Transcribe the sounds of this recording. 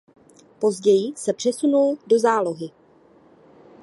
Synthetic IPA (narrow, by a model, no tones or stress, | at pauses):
po̞zɟɛjɪsɛpr̝̥ɛsunuldo̞zaːlo̞ɦɪ